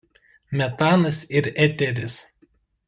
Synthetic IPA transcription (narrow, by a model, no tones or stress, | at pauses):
mʲɛt̪ɑːnɐsɪɾɛt̪ʲɛɾʲɪs